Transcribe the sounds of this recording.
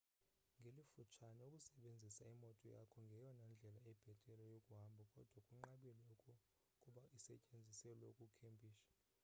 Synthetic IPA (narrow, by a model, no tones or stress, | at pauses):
ŋɡʱelifut͡ʃʰanɛukʼusɛɓend͡zʱisaimɔtʼɔja̰kʰɔŋɡʱɛjɔnand͡ɮʱɛlaɛb̥ʱɛtʼɛlɛjokʼuɦambʱɔkʼɔd̥ʱwakʼuŋ͡ǃaɓɛlɛukʰʼɔ | kʼuɓaʔisɛcʼend͡zʱisɛlɛukʼukʰempʼiːʃḁ